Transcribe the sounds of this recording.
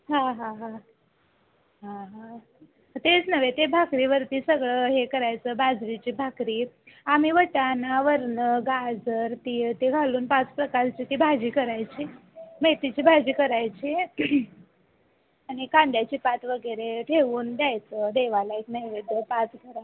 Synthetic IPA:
ɦãɦãɦã | ɦãɦã | t̪et͡snəʋet̪ebʱakɾiʋəɾt̪iːsəɡɭəɦekəɾajt͡səːbad͡zʋit͡ɕiːbʱakɾiː | am̤iʋəʈanaʋəɾɳəɡad͡zəɾt̪it̪eɡʱaluːnpat͡spɾəkast͡ɕiːt̪ibʱad͡ʑiːkəɾajt͡ɕiːmet̪it͡ɕiːbʱad͡ʑiːkəɾajt͡ɕi | añikãnd̪jat͡ɕiːpat̪ʋəɡəɾeʈʰeʋuːnd̪jajt͡səd̪eʋalaeknəjʋed̪əpat͡sɡʱəɾa

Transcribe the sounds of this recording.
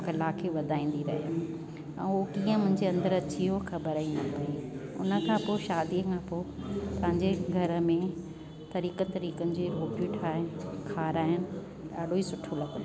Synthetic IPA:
kɐlakʰeʋɐd̪ʱaːĩːn̆d̪iɾɐɦijo | ɛ̰̃ːokiːə̃mʊ̃ɦɪ̃ɲd͡ʑeɐ̃nd̪əɾɐt͡ɕiɦoxʰɐbəɾəinɐpɐiʊ̰nə̆kʰãːpoʃaːd̪iəkʰãːpoːpɐɦɪ̃ɲd͡ʑeɡʱɐɾəmẽ | t̪ɐɾiːkət̪ːɾiːkənɪ̆d͡ʑeɾoːkʋiːʈʰaːɪnɪkʰaːɾaːjʊnɪ̆ | ɗaːɗʱoiːsʊʈʰolɐɡn

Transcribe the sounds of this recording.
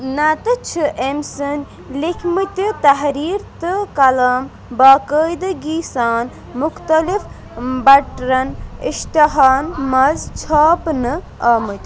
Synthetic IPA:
nat̪ɨt͡ʃʰɨʔemsən | likʰmɨt̪ʲɨt̪ɐɦɾiːɾt̪ɨkɐlaːm | bakəjd̪ɨɡisaːn | muxt̪ɐlif | bɐʈɾɐnist̪ɐɦaːnmɐzt͡ʃʰaːpnɨ | ɐmɨt̪ʲ

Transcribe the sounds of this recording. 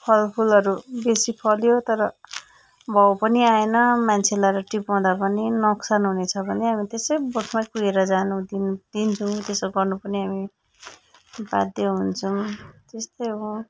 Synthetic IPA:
pʰʌlpʰulʌɾubesipʰʌljot̪ʌɾʌ | bʱʌwpʌniaenʌmant͡sʰelaɾʌʈipaw̃d̪apʌninʌksanɦunet͡sʰʌbʱʌneɦamit̪esʌjbʌʈʰmakueɾʌd͡zanud̪id̪̥int͡sʰut̪esoɡʌrnupʌniɦami | ba̰d̪jeɦunt͡sʰʌmt̪est̪ʌjɦõ

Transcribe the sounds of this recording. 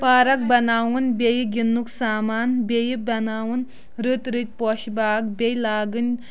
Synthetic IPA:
paːɾɐk̚bɐnaːwunbʲejiɡinːuksaːmaːnbʲejibɐnaːwun | ɾɨt̪ɾɨt̪̚ʲpɔʃibaːkbʲejlaːɡɨnʲ

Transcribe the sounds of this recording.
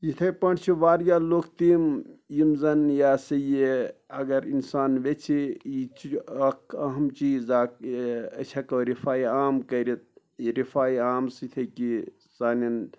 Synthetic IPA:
jit̪ʰɐpɐɳt͡ʃʰiʋaːɾjaːloːkt̪imjimzɐnjaːsɐjeɐɡɐɾinsaːnʋet͡ʃʰiit͡ʃʰiɐkʰɐɦɐmt͡ʃiːzaːkɐt͡ʃʰɐkɐɾifʰaːiaːmkɐɾit̪̚ | iɾifaːiaːmst̪ʰɐki | saːnin

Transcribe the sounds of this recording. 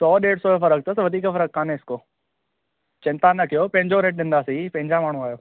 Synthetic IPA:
sɔːɗeːɽsɔːefɐɾək̚t̪əsʋɐd̪ʱiːkəfɐɾək̚kʰːãːneɪskoː | t͡ɕɪ̃nt̪anɐkijopɐ̃ɦɪ̃ɲd͡ʑoɾeːʈ̚ɗɪ̃n̆d̪aːsipɐ̃ɦɪ̃ɲd͡ʑamaːɳ̤ũaːjoː

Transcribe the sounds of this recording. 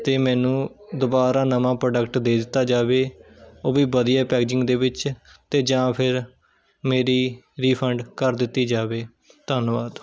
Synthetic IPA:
t̪eːmɛ̃ːnũːd̪ʊbaːɾaːnəmãːpɾoːɖəkʈd̪eːd̪ɪt̪ːaːd͡ʒaːʋeːoːʋiːʋəd̪ijaːpɛːkːd͡ʒɪ̃ŋɡd̪eːʋɪt͡ʃt̪eːd͡ʒãːpʰɪɾ | meːɾiː | ɾiːpʰəɳɖkəɾd̪ɪt̪ːiːd͡ʒaːʋeː | t̪əːnʋaːd̪

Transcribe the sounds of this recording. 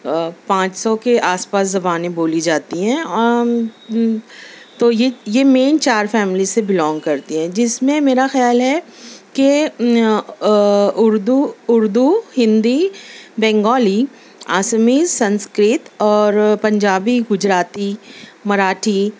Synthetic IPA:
pãːt͡ʃsɔkeʔaːspaːszɐbaːnẽboːlid͡ʒaːt̪iɦɛ̃ː | t̪ojejemeːnt͡ʃaːɾfɛːmɪlisebɪlɔ̃ːŋɡkɐɾt̪iɦɛ̃ːd͡ʒɪsmẽmeːɾaxjaːlɦɛke | ʊɾd̪uʊɾd̪uhɪ̃nd̪ibɛ̃ːŋɡɔːli | aːsəmisɐ̃nskɾɪt̪ɔːɾpɐ̃ɲd͡ʒaːbiɡʊd͡ʒɾaːt̪imɐɾaːʈʰi

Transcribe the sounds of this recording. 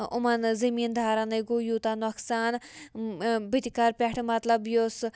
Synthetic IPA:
ṵmɐnzɐmiːnd̪ʱaːɾɐnɐjɡojuːt̪anɐksaːn | bit̪ikɐɾpʲeʈʰmɐt̪lɐbjoːs

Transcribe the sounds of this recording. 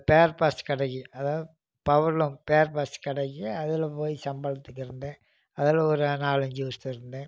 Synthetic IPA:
peːɾpaːskɪɽɐɣiɐðaːð | pɐʋɐɾlʊ̃mpeːɾpaːskɪɽɐɣiɐðɪlɐpoːjisɐmbɐɐt̪ːɯk̬ːɯɾɯnd̪ẽː | ɐðɪlɔɾɯnaːlɐɲd͡ʒɯʋɐst̪ɯɪɾɯnd̪ẽː

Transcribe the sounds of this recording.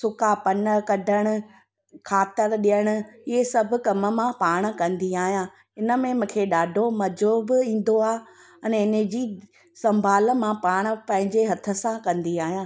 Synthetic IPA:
sʊkapɐnəkɐɖʱəɽ̃ʊ̆ | kʰaːt̪ɪɾɗijəɽ̃ʊ̆ɪɦesɐbʱʊ̆kɐmə̆mãpaːɽ̃̆kɐ̃nd̪iaːɦijãː | ɪnə̆mẽmʊ̃ːkʰeɗaːɖʱomɐd͡ʑoːbɪĩːn̆d̪oaː | ɐnɪnəd͡ʑiː | sɐ̃mbʱaːlmãpaːɽ̃̆pɛ̃ɦɪ̃ɲd͡ʑeɦɐt̪ʰə̆sãkɐ̃nd̪iaːɦijãː

